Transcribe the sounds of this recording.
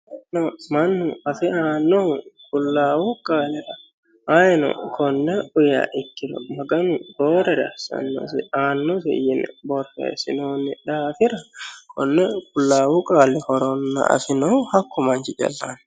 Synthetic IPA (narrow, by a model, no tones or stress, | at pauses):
nɐmɐnːʊɐfɪaːnːɔkʊlːaːwukʼaːlɪɾɐ | aːjɛnɔ̰kʰɔnːɛʊja̰ːʔɪkːɪɾɔ̰mɐɡɐnʊboːɾɐɾɐ̰sɐ̰nːɔ̰sɪaːnːɔsɛ̰jɪnɛ̰bɔɾtːɛ̰sɪ̰noːnːɪᶑaːfɪɾɐkʰɔnːɛkʼʊlːaːwukʼaːlːɪhɔɾɔnːɐ̰ʔɐ̰sɪnɔhɐkːɔmɐnt͡ʃɪt͡ʃʼɐ̰lːaːn